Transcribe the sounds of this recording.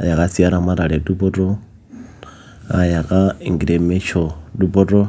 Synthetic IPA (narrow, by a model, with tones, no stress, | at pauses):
a˨ja˨ka˦si˦a˦ɾa˦ma˦ɾa˨ɺɛ˨du˦bɔ˦tʼɔ˦ | a˨ja˨ɣa˦˨ŋ˨ɡi˨ɾe˨mɛ˦t͡ʃʰɔ˨du˦bɔ˦tʼɔ˦